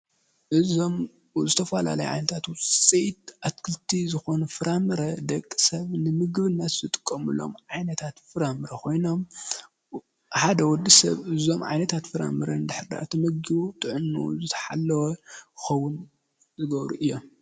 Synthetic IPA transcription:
ʔɨzom | zɨt̪ʰɐfɐla̰lɐj̰ʕa̰jnɐt̪ʰat̪wsʼejt̪̚ʔat̪kʰɨlt̪ʰizɨxo̞nɐfɨɾʔamɨɾɐd̪ɐkʼːi̥sɐβnɨmɨɡβɨnːɐt̪zɨt̪ʼɨ̥kʼːɐmṵlo̞̰mʕajnɐt̪ʰat̪fɨɾamɨɾɐkʰo̞jno̞m | ħad̪ɐwɔd̪ːisɐ̰βɨzo̞mʕa̰jnɐt̪ʰat̪fɨɾa̰mɨɾɐnɨd̪ɨħɨɾda̰ʔɨt̪ʰimɐɡɡiut̪ʼɨʕɨnːṵzɨt̪ʰɐ̥ħalːɐwɐxɐwʊn | zɨɡɐβɾuʔɨjːom

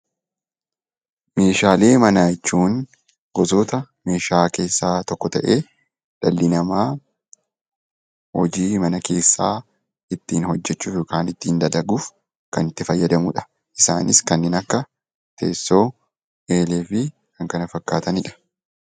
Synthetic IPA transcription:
me̞ːʃaːle̞ːmɐnaːt͡ʃːuːn | ɡ̥ɔzoːt̪ɐ | me̞ːʃaːke̞ːsːaːt̪ɔkːɔt̪ɐʔe̞ː | ᶑɐlːɪnɐmaː | hɔd͡ʒiːmɐnɐke̞ːsːaː | ɪt̪ːiːnhɔd͡ʒːɛt͡ʃːuːfjoːkaːnɪt̪ːiːnd̪ɐd̪ɐɡuːf | kɐnɪt̪ːɪfɐjːɐd̪ɐmʊᶑɐ̥ | ʔɪsa̰ːnɪskɐnːɪnɐkːɐ | t̪ʰe̞̰ːsːo̞ː | e̞ːleːfɪ | kɐŋkɐnɐfɐkːaːt̪ɐnɪᶑɐ̥

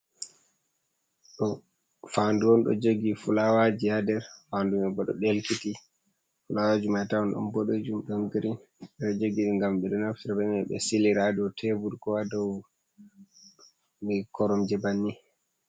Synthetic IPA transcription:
ɗɔ | fanduwɔnɗɔ̰d͡ʒoɡifulawad͡ʒihadɛɾfandumɛbɔɗɔ̰ɗelkiti | fulawad͡ʒumatawɔnɗɔ̰mbɔɗod͡ʒumɗɔnɡiɾin | ɛɗɔd͡ʒoɡiɗiŋɡamɓɛɗɔnaftiɾbamɛɓɛ̰siliɾadɔtʰebuɾkɔwadɔw | mikʰɔɾɔmd͡ʒɛbanːi

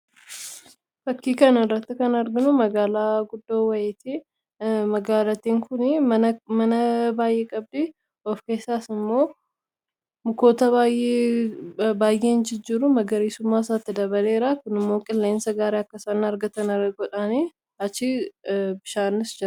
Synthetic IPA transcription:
fɐkːiːkɐnɐrːɐt̪ːɪkɐnɐɾɡɪnʊmɐɡaːlaːɡʊd̪ːoːwɐjeːt̪i | mɐɡaːlɐt̪iːŋkʊnɪmɐnɐbaːjʔeːkʼɐb̚d̪i | ɔfke̞ːsːaːsɪmːo̞ː | mʊko̞ːt̪ɐbaːjʔe | baːjʔe̞ːnd͡ʒɪd͡ʒːiːɾʊmɐɡɐɾiːsʊmːaːɪs̬aːt̪ːɪd̪ɐβɐle̞ːɾakʊnɪmːo̞ːkʼɪlːe̞ːnsɐɡaːɾeːɐkːɐsɐnːɐɾɡɐt̪ɐnɐɡɔᶑani | ɐt͡ʃːɪbɪʃaːnɪsd͡ʒɛɾ

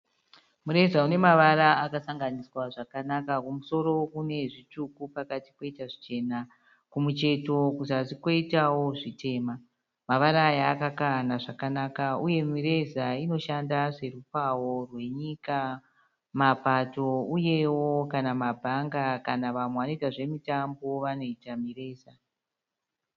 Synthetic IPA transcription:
muɾe̞zaune̞maʋaɾaakasaŋɡaniswaʐakanakakumuso̞ɾo̞kune̞ʐitukupakatipo̞itaʐit͡ʃe̞ːna | kumut͡ʃe̞to̞kuzatiko̞itawo̞ʐitʰe̞ːma | maʋaɾaːjaːkakanaʐakanakauje̞miɾe̞zaino̞ʃandaʐe̞rupaworwe̞ɲika | mapato̞uje̞wokanamabʱaŋɡakanaʋamweʋano̞itaʐe̞mitambo̞ʋano̞itamire̞ːza

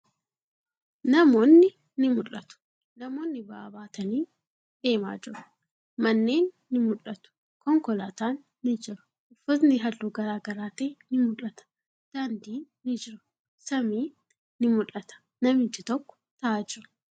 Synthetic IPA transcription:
nɐmo̞ːnːɪ | nɪmʊlːɐt̪ʊ̥ | nɐmo̞ːnːɪbaaːbaːt̪ɐniː | d̪e̞ːma̰ːd͡ʒɪɾʊ̥ | mɐnːe̞ːnːɪmʊlɐt̪ʊ̥ | kɔŋkɔlaːt̪aːnːɪd͡ʒɪɾʊ̥ | ʊfɐt̪nɪɦɐlːuːɡɐɾaːɡɐɾaːt̪eːnɪmʊlɐt̪ɐ̥ | d̪̥ɐnd̪iːnːɪd͡ʒɪɾʊ̥ | sɐmiː | nːɪmʊlɐt̪ɐ̥ | nɐmɪt̪ːɪt̪ɔkːɔ̥t̪ɐʔaːd͡ʒɪɾʊ̥

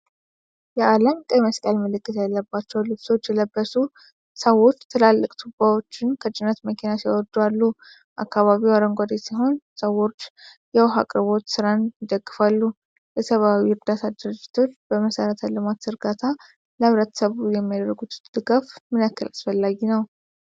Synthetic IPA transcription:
jɛʔaləmkʼəməskʼəlməlɨkːɨt̪jalːəbːat͡ʃːɛwlɨβso̞t͡ʃːjɛləbːəsu | səwo̞t͡ʃːt̪ʰɨlalːɨkʼt̪ʰubawo̞t͡ʃːɪnkʰət͡ʃʼɪnət̪məkʰinasiawɔd̪ualːu | ʔa̰kːaβaβiwaɾəŋɡʷad̪esiɦo̞nsəwo̞t͡ʃː | jɛwɦa̰kʼɾɨβo̞t̪sɨɾanjɪd̪əɡːɨfalːu | lɛsəβawiɨɾd̪at̪ʰad̪ɨɾɨd͡ʒːɪt̪ʰot͡ʃb̥əməsəɾət̪ʰalɨmat̪sɨɾɡat̪ʰa | ləβɾət̪ʰə̥səβujɛmːijad̪əɾəɡut̪d̪̥ɨɡafmɨnakːɨlasfəlːaɡinəw

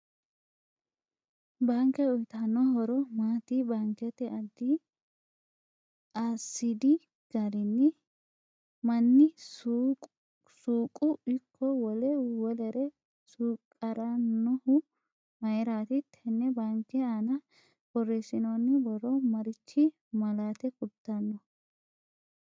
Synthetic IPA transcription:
baːŋkɛɔjt̪anɔɦɔɾɔmaːt̪ibaːŋkɛt̪ɛʔɐd̪ːɪ | aːsːɪd̪ɪ | ɡ̥ɐɾɪnːɪ | mɐnːɪsʼ | suːkʼːʊɪkʰːɔwɔlɛwɔlɛɾɛ | suːkʼːɐɾɐnɔhʊ | mɐjɾaːt̪ɪt̪ʰːɛnːɛbaŋkːɛanɐ | bɔresɪnonːɪbɔɾɔmɐɾɪt͡ʃːɪ | mɐlaːt̪ɛkʼʊt̪ːɐnːɔ

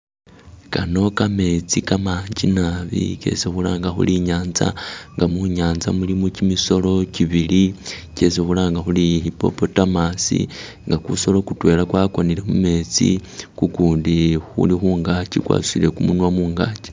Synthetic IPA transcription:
kano̞kame̞t͡sikamaːɲd͡ʒinaβḭce̞̰sexulaːŋɡaxṵliɲaːnza̰ŋɡamuɲaːnza̰mulimucimiso̞lo̞ciβilice̞sexulaːŋɡaxulihipo̞̰po̞tamasḭŋɡakuso̞lo̞kutwe̞ːlakwakonile̞mume̞t͡sḭkukuːndixṵlixuːŋɡat͡ʃikwa̰su̥sile̞kumunwamuːŋɡaːt͡ʃi̥

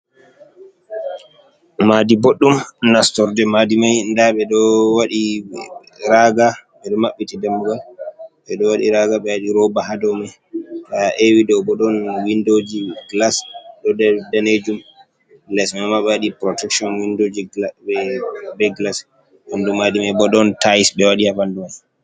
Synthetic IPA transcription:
madiboɗːumnastɔɾdɛmadimajndaɓɛɗɔwaɗi | ɾaɡaɓɛɗɔmaɓːitidamːuɡalɓɛɗɔwaɗiɾaɡaɓɛwaɗiɾɔbahadɔmaj | taʔewidɔbɔɗɔnwindod͡ʒiɡlasɗɔddaned͡ʒum | lɛsmamaɓɛwaɗipɾɔtɛkʃɔnwindod͡ʒiɛbɛɡlas | handumadimajbɔɗɔntajsbɛwaɗihabandumaj

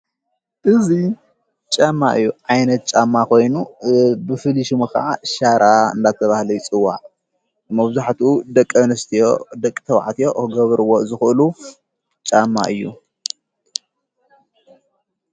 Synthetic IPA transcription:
ʔɨzi | t͡ʃʼamːaʔɨjːuʕajnɐt̪̚t͡ʃʼamːakʰo̞jnubɨfɨliʃɨmukɐ̰ʔaʃaɾʔaɨ̰nd̪at̪ʰɐβahlɐjut͡sʼɨwːaʕ | mɐβzaħt̪ud̪ɐkʼːɐnɨst̪ʰijod̪ɐkʼːt̪ʰɐw̰ʕt̪ʰijo̞ʔɨɡɐβɾɨwozɨxʔɨlu | t͡ʃʼamːa̰ʔɨjːṵ

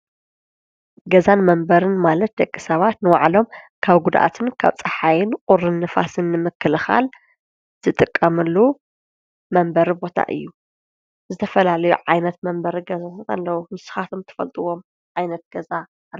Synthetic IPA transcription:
ɡɐzanmɐmbɐɾɨnmalɐt̪̚d̪ɐkʼːisɐβat̪nɨwaʕlo̞m | kʰaβɡud̪ʔa̰t̪ʰɨnkʰa̰βt͡sʼɐħajɪnqʼʊɾɨnːɨfa̰sɨnːɨmɨkːɨlɨxa̰l | z̥ɨt̪ʼɨkʼːɐmɨlːu | mɐmbɐɾibo̞t̪ʰa̰ʔɨ̰jːu | zɨt̪ʰɐfɐlalɐjṵʕajnɐt̪mɐmbɐɾiɡɐzazkʼɐ̰lːɐwumɨsɨ̥xat̪ʰomt̪ʰɐ̥fɐ̰lt̪ʼɨwo̞m | ʕajnɐt̪̚ɡ̥ɐza

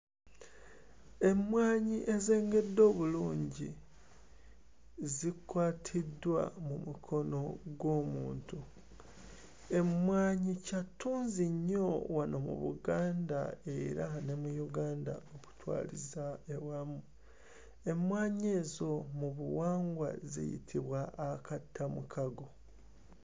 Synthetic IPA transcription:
e̞mwaːɲiʔe̞ze̞ːŋɡe̞dːo̞ːβuluːɲɟi | zikwaːtʰidwa̰mumukʰo̞no̞ɡwo̞ːmuːntu | e̞mwaːɲicatuːnziɲːo̞wanomṵβṵɡaːndae̞ɾane̞mujuɡaːnda̰oku̥twa̰ːlizaewamu | e̞mwaːɲe̞ːzo̞muβuwaːŋɡwa̰zḭjḭtʰiβwaːkatʰːamukʰaɡo̞

